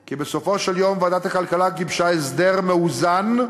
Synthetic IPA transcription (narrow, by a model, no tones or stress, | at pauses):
kibeso̞fo̞ʃeljo̞mvad̪at̪akalkalaɡibʃaesd̪eʁmeuzan